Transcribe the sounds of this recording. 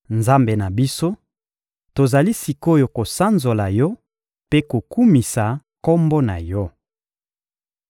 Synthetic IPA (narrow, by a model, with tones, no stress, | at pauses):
nza˦mbe˨na˨bi˦so˦ | to˨za˨li˦si˨ko˦jo˨ko˨sa˦nzo˨la˨jɔ˦ | pe˦ko˨ku˦mi˨sa˨kɔ˦mbo˦na̰˨jɔ˦